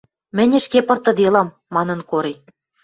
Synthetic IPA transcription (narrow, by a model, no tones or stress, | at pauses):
mɘ̆nʲɘ̆ʃkepɤ̆rt̪ɤ̆d̪elɑmːɑnɤ̆nkoɾe